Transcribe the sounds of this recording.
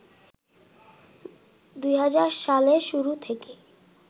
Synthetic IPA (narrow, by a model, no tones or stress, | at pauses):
d̪ujɦad͡ʑaɾʃaleʃuɾut̪ʰeke